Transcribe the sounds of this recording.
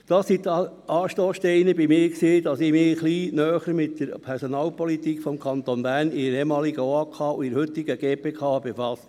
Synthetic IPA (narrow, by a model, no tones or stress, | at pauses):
d̥ɑssit̪ | ɑːʃtoːsʃtɛɪnəbimɪːɾksiːd̥̪ɑsɪmɪχliːnœːχəɾmɪtd̥əɾpʰɛɾsɔnɑːlpɔlit̪iːkfɔmkʰɑnt̪onbæɾnɪəɛmɑːliɡəoɑːkʰɑːuɪɾhʏt̪ːɪɡ̥əɡ̥eːpʰeːkʰɑːb̥efɑst